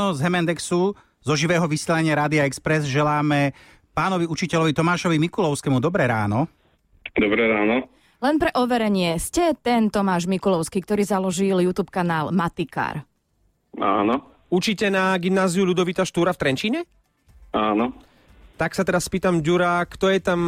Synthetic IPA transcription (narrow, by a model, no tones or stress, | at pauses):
ɔzɦɛmɛnd̪ɛksu | zɔʒiʋɛːɦɔʋisɪɛːlaɲɪaɾaːd̪iaɛkspɾɛzʒɛlaːmɛ | paːnɔʋiut͡ʃicɛʎɔʋit̪ɔmaːʃɔʋimikulɔʊskɛmud̪ɔbɾɛɾa̰ːnɔ | d̪ɔbɾɛɾaːnɔ | lɛnpɾɛʔɔʋɛɾɛɲɪɛscɛt̪ɛnt̪ɔmaːʒmikulɔʊskik̚t̪ɔɾiːzalɔʒiljut̪uːpkanaːlmat̪ika̰ɾ | aːnɔ | ut͡ʃicɛnaɡimnaːziuʎud̪ɔʋit̪aʃt̪uːɾaft̪ɾɛnt͡ʃiːɲɛ | aːnɔ | t̪aksat̪ɛɾaspiːt̪amɟuɾakt̪ɔjɛt̪am